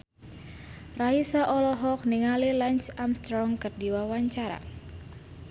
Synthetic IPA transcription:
raisaʔɔlɔɦɔk̚niŋalilaɲt͡ʃamst̪ɾɔŋkərdiwawaɲt͡ʃaɾa̰

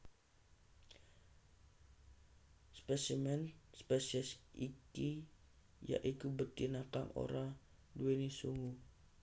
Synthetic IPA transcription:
spɛsimɛnspɛsiɛsiki | ja̰ʔikubət̪inat̪aŋo̰ɾa | duenisuŋu

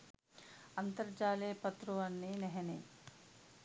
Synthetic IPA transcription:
ɐnt̪ɐɾd͡ʒaːleːpɐt̪ɾuɐnːinɛɦɐnḭ

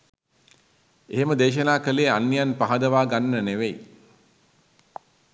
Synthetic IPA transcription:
eɦeməd̪eːʃ̬ənaːkəleːanːijanpaɦad̪əʋaːɡanːəneʋej

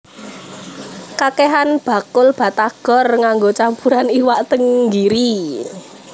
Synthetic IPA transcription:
kakeɦanb̥a̤kʊlb̥ä̤t̪aɡ̥ɔ̤rŋaŋɡot͡ʃampuɾaniwaʔt̪əŋɡiɾi

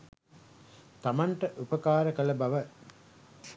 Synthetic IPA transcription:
t̪amaɳʈəʔupəkaːɾəkələbaʋə

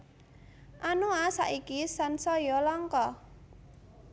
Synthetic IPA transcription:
ʔanuasa̰ʔikisansɔjɔlɔŋkɔ

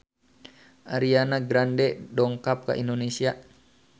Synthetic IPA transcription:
ʔaɾianaɡɾandɛdɔŋkap̚ka̰ʔindonesia

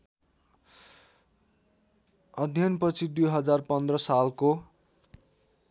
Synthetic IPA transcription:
ʌd̪ʱjʌnpʌt͡sʰid̪ujɦʌd͡zarpʌnd̪rʌsalko

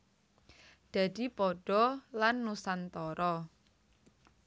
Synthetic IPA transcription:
d̪̥ä̤d̪̥i̤pɔɖ̥ɔlanːusant̪ɔɾɔ

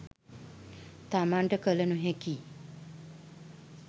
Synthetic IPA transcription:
t̪amaɳʈəkələnuɦeki

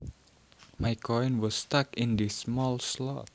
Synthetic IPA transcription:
majkʰɔjnwɔsːtakɪ̃ndismɔlslɔt̚

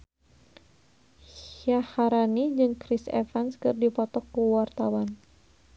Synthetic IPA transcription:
hjahaɾanid͡ʒɨŋkɾisɛ̰fanskɨrdipɔt̪ɔkːuwart̪awan

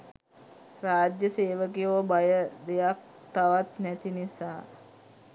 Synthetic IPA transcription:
raːd͡ʒjəseːʋəkijoʋəbajəd̪ejak̚ | t̪aʋat̪næt̪inisaː

